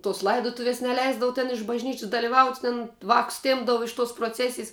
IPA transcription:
toːs ˈlˠɐɪdoːtʊʋʲiɛs nʲɛˈlʲɛɪzdɐʋʊ tʲɛn ɪʃ bɐʒʲˈnʲiːt͡ʃʲɪs dɐlʲɪˈʋɐʊtʲ tʲɛn ˈʋɑːkʊs ˈtʲeːmbdɐʋʊ ɪʃ toːs proːˈt͡sʲæːsʲɪjs

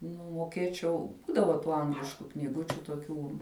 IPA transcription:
nʊ moːˈkʲeːt͡ʃʲɛʊ ˈbuːdɐʋɐ ˈtuː ˈɐŋɡlʲɪʃkʊ ˈknʲiːɡʊ toːˈkʲuː

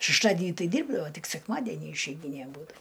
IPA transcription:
ʃʲɛʃˈtɑːdʲɪnʲiː ˈtɐɪ ˈdʲiːrbdɐʋoː ˈtʲɪk sʲɛkˈmɑːdʲɛnʲiː ɪʃʲɛɪˈɡʲiːnʲeː ˈbuːdɐ

